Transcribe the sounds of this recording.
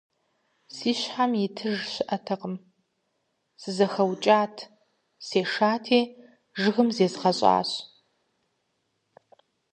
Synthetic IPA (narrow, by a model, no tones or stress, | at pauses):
siːɕħamjɪtʰɨʒɕɪʔɐtʰɐqəm | sɨzɐxɐwt͡ʃʼaːtʰ | seːʂaːtʰeː | ʒɨɣɨmzeːzʁɐɕʼa̰ːɕ